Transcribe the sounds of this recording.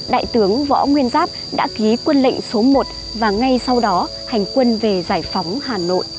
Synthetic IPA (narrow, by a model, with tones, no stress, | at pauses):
ɗa̰ː˧˨jt̪ɨ˨˦əŋvɔ̰˧˥ŋwi˧ənzaː˦˥p̚ɗa̰ː˧˥ki˨˦kwə˧nlḭ˧˨ŋ̟so˨˦mo˨˩t̚ | vaː˨˩ŋa˧jsa˧wɗɔ˨˦ | ha˨˩jŋ̟kwə˧nve˨˩zaː˧˩jfɔ˨˦wŋ͡mhaː˨˩no̰˧˨jʔ